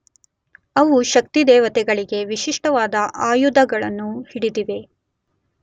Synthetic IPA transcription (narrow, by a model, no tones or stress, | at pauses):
ɐʋuʃɐk̚t̪id̪ɛːʋɐt̪ɛɡɐɭiɡe̞ʋiʃiʂʈɐʋaːd̪ɐʔaːjud̪ɐɡɐɭɐnːuhiɽid̪iʋe̞